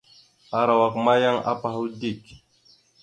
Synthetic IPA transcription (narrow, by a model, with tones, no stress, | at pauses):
a˨ɾa˨wa˨kma˦ja˦ŋa̰˦pa˨ɦu˦di˦˨k